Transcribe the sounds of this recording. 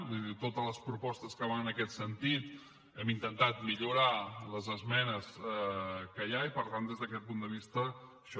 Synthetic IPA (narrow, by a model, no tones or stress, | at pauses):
ðit̪ot̪ələspɾupɔst̪əskəβanənəkɛt̪sənt̪it̪ | ɛmint̪ənt̪at̪miʎuɾaləzəzmɛnəs | kəjaipəɾt̪and̪ezðəkɛt̪̚pund̪əβist̪ə | ʃɔ